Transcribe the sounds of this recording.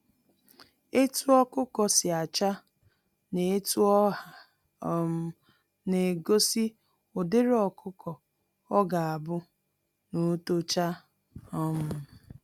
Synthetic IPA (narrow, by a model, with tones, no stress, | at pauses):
e˦tu˦ɔ˦kʊ˦kɔ˨sɪ˨a˨t͡ʃa˦ | ne˨e˦tu˦ɔ˦a˨˦ | m̩˦ | ne˨ɡo˦si˦ | ʊ˨dɪ˦ɾɔ˨kʰʊ˦kɔ˨ | ɔ˦ɡa˨a˨bʊ˦ | no˨˦to˦t͡ʃa˦ | ɔ˦m̩˦